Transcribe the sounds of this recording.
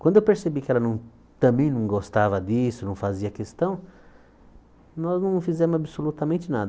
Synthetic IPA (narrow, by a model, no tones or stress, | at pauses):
kwɐ̃nd̪ʊewpeɾsebikɪɛlɐnɐ̃w̃ | t̪ɐ̃bẽj̃nɐ̃w̃ɡost̪avɐd̪isʊnɐ̃w̃faziɐkest̪ɐ̃w̃ | nɔznɐ̃fizɛ̃mʊzabɪsolut̪ɐmẽnt͡ʃɪnad̪ɐ